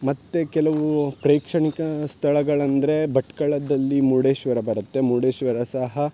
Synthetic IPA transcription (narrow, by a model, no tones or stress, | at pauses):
mɐt̪ːe̞kɛlɐʋupɾeːkʂɐɳikɐst̪ʰɐɭɐɡɐɭɐnd̪ɐɾe̞bɐʈkɐɭɐd̪ɐlːimuɽeːʃʋɐɾɐbɐɾɐt̪ːemuːɽeːʃʋɐɾɐsɐɦɐ